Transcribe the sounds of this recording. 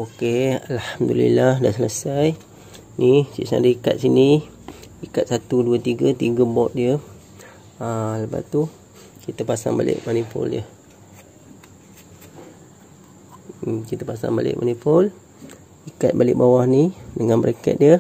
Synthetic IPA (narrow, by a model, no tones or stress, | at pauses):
okealhamd̪ulḭlahdaʔsələsaj | nisḭsa̰dəikat̪̚sini | ikat̪̚sat̪uduət̪iɡət̪iɡəbɔʔ̪̚diə | aləpa̰t̪u | kit̪əpasa̰ŋba̰lɪ̰ʔmanipo̰liə | kit̪əpasa̰ŋba̰lɪ̰ʔmʔa̰nipol | ikat̪̚balɪʔ̚bawahnidəŋãnbəɾekɛ̰t̪̚diə